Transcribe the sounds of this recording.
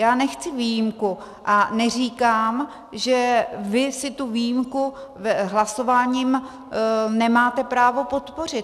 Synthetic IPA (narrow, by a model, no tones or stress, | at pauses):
jaːnɛxt͡sɪviːjɪmku | ʔanɛr̝iːkaːm | ʒɛvɪsɪt̪uvijimku | ɦlaso̞vaːɲiːm | nɛmaːt̪ɛpɾaːvo̞po̞t̪po̞r̝ɪt